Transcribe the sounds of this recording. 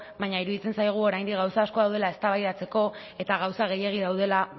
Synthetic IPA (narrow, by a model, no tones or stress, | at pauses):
βaɲaiɾuðit͡se̞nsajɣ̞uo̞ɾajnd̪iɣawsaːskoðawð̞e̞lae̞st̪aβajðat͡se̞ko̞ | e̞t̪aɣ̞awsaɣ̞e̞je̞ɣ̞iðawðe̞la